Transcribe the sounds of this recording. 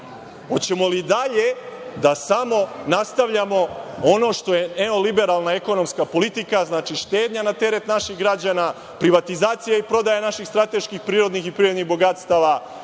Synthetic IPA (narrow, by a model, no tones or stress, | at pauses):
o̞t͡ɕe̞mo̞lid̪aʎe̞d̪asamo̞nast̪aʋʎamo̞ono̞ʃt̪o̞je̞neo̞libe̞ɾaːlˠnaeko̞no̞mskapo̞lit̪ikaznaːt͡ʃiʃt̪e̞ːd̪ɲanat̪e̞ɾet̪naʃixɡɾad͡ʑaːna | pɾiʋat̪izaːt̪sijaipɾo̞d̪ajanaʃixst̪ɾat̪e̞ʃkixpɾiːɾo̞d̪nixipɾiːɾonixbo̞ɡat̪st̪aːʋa